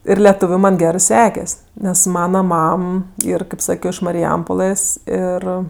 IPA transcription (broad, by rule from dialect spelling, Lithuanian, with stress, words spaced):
ɪr lʲɛˈtuːʋʲʊ ˈmɐnʲ ˈɡʲæːrɜ ˈsʲæːkʲɛsʲ nʲɛs ˈmɑːnɐ ˈmɐm ˈiːr kɐɪp ˈsɑːkʲoː ɪʃ mɐrʲɪˈjɛmpoːlˠɘs ˈɪr